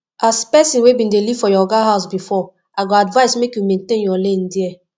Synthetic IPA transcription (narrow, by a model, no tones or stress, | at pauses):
aspɛsĩnwebĩndelivfɔjɔɡaɦaʊsbifɔ | aɡɔadvaɪsmekjumẽntẽnjɔlẽndiɛ